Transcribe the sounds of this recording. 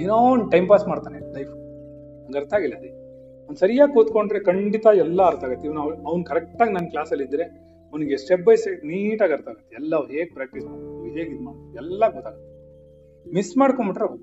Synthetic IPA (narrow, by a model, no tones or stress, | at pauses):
enonʈɐjmpaːsmaːɽt̪aːnelɐjfʰ | ɡ̪ɐɾt̪aːɡilːɐd̪e | ɐʋɐnsɐɾijaːɡkuːt̪koɳɖɾekɐɳɖit̪ɐɛlːɐɐɾt̪aːɡɐt̪ːeiʋɐnɐʋɐʋɐnkɐɾɛk̚ʈaːɡnɐnːklaːsɐlːid̪ːɾe̞ | ɐʋniɡesʈep̚bɐjseniːʈaːɡɐɾt̪aːɡɐt̪ːeɛlːɐɐʋɦeːɡ̚pɾaːk̚ʈismaːɽuʋiɦeːɡid̪maɛlːaɡɔt̪ːaːɡɐt̪ːe̥ | misːmaːɽkombiʈɾe